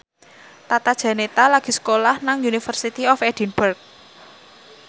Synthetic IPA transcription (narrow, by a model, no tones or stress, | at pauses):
t̪at̪ad̥ʒ̥ä̤net̪alaɡ̥i̤sə̥kolahnaŋunifərsit̪iɔfɛd̥i̤nbərk̚